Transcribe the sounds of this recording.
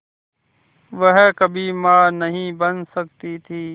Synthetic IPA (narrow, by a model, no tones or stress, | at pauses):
ʋəɦkəbʱiːmãːnəɦĩːbənsək̚t̪it̪ʰiː